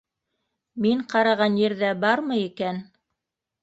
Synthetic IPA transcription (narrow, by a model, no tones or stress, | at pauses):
miɴqɑɾɑʁɑnjɘ̆ɾðæbɑɾmɤjikæn